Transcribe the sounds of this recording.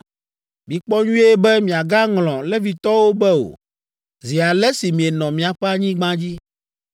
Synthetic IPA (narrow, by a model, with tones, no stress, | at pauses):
mĩ˨k͡pɔ˦ɲũ˦e˦bɛ˦mĩ˨a˨ɡa˦ŋlɔ̃˨lɛ˦vi˨t̪ɔ˦wo˦bɛ˦o̰˨ | zi˨a˨lɛ˦si˨mĩ˨e˨nɔ̃˨mĩ˨a˨ɸɛ˦a˨ɲĩ˦ɡ͡bã˦d͡ʑi˦